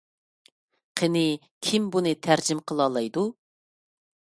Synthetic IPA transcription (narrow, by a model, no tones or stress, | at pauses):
qʰənɪ | kʲʰimbunɨt̪ʰæɾd͡ʒɪmqʰəlˠɑːlˠɑjd̪u